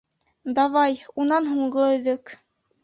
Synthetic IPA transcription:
d̪ɑβɑjunɑnɦuɴɢɤɵ̆ðɵk

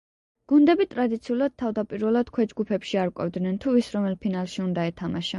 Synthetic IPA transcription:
ɡ̥und̪ɛbit̪ʼɾad̪it̪sʰiulˠad̪̥̚t̪ʰavd̪apʼiɾvɛlˠad̪̥kʰwɛd͡ʒɡupʰɛpʃiaɾkʼɛ̰vd̪nɛnt̪ʰuvisɾɔmɛlpʰinalˠʃiund̪aɛt̪ʰamaʃa

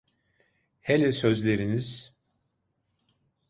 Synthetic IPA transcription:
helʲɛsø̞zlʲeɾiniz̥

